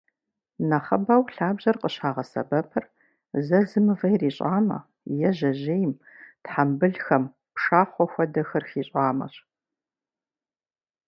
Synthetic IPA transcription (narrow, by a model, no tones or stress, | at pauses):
nɐχɐbɐwɬaːbʑɐrqʼəɕaːʁɐsɐ̰bɐpʰɨr | zɐzɨmɨvɐjriːɕʼaːmɐ̰ | jɛʑɐʑejm | tħambɨɮxɐm | pʂaːχʷɔxʷɔdɐxɐrxiːɕʼaːmɐ̰ɕ